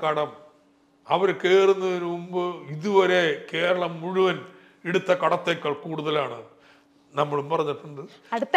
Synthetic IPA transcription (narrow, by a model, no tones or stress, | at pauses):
kɐɽɐm | ɐʋɐɾkːeːrunːɐʋɐɾuumbɨiðuʋɐɾe̞ke̞ːɾɐɭɐmːuɻuʋɐn | eɽut̪ːɐkɐɽɐt̪ːeːkːɐɭkuːɽuðɐlaːɳɨ | nɐmːɐɭumpɐrɐɲːɐʈːuɳɖɨɐɽ